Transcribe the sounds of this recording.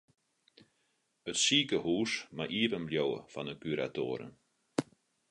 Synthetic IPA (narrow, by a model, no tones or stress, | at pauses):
ətsiːkəhuːsmaʔiəpənljowə̰fɔnəkyɾa̰to̰əɾə̰n